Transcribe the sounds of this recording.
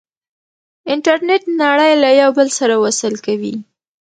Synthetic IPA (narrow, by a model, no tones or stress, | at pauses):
ɪɳʈaɾneʈnaɽəjlajawbəlsaɾawasəlkawi